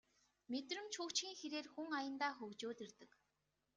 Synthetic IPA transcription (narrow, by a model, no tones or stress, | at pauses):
met̪rɘ̆mt͡ɕʰuːkt͡ɕxiːŋxeɾeːrxuŋajə̆nt̪aːxɵwt͡ɕoːt̪ĕrt̪ɘ̆k